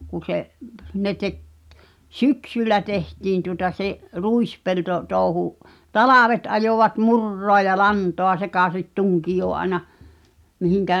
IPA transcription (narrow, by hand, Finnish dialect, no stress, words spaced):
kun̞ seʔ ne tek syksylːæ tehtiːn tuŏtɑ seʔ ruispelto toˑu̞huʔ tɑlɑˑʋet ɑjoʋɑt murːoɑ jɑ lɑntoɑ sekɑˑsit tuŋkijoː ʔɑĕnɑ mihiŋkæʔ